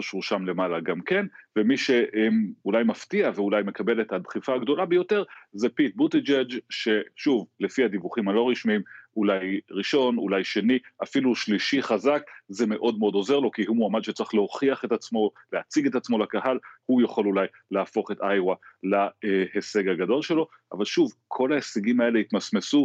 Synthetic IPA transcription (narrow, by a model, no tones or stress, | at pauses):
aʃuʁʃamle̞malaɡamke̞nvemiʃe̞ʔemulajmaftiaveulajme̞kabe̞le̞tadχifaːɡdo̞labejo̞teʁzepit̚butid͡ʒed͡ʒʃe̞ʃuvle̞fiad̪ivuχimalo̞ʁiʃmiimulajʁiʃo̞nṵlajʃe̞niʔafiluʃliʃiχazakze̞me̞ʔo̞dmeo̞do̞ze̞ʁlo̞kihumuamad̪ʃet͡saχleo̞χiaχetat͡smo̞leat͡siɡe̞tat͡smo̞lakahalhujaχo̞lulaj | leafo̞χe̞tajʁwalaehese̞ɡaɡado̞lʃe̞lo̞ | ʔa̰valʃuvkʰo̞laheseɡimae̞leit̪masmesu